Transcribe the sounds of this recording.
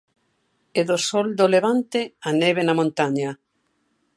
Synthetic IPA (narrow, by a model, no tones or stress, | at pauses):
eðosɔld̪oleβ̞ant̪eaneβenamõnt̪aɲa